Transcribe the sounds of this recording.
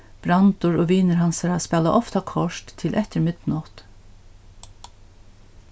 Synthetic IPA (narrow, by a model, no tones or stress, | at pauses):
b̥ɾɑnd̪ʊɹoːʋiːnəɾhɑnsəɾɑspɛlɑʔɔft̪ɑkʰɔʃtt̪ʰːɪlʔɛt̪əɾmʏd̪̥not̪